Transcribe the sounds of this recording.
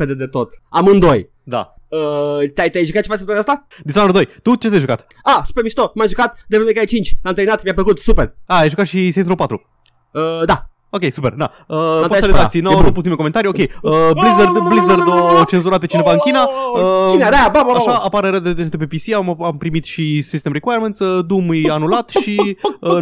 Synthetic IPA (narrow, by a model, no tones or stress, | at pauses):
ped̪ed̪et̪o̞t̪amɨnd̪oj | d̪a̰ət̪ʲajt̪ʲajʒukat̪t͡ʃevaset̪aɾeast̪a | d̪isanoɾd̪ojt̪ut͡ʃet̪ajʒukat̪ | asu̥peɾmiʃt̪omajʒukat̪d̪eenuekaet͡ʃint͡ʃʲlamt̪ɾeinat̪mjap̬ləkut̪superaajʒukat̪ʃisẽnsɾopat̪ɾu | əd̪a | okʲejsupe̞rd̪a | əoeleat̪sijnownupus̬tnimekoment̪aɾio̞kʲe̞jəblizerd̪blizerd̪ot͡ʃe̞nzuɾat̪et͡ʃine̞vaɨnŋkʲinaəinead̪aababaaʃaapaɾeɾəd̪ed̪eent̪epepisiamampɾimit̪ʃisist̪emrikwajɾment̪səd̪umujanulat̪ʃiə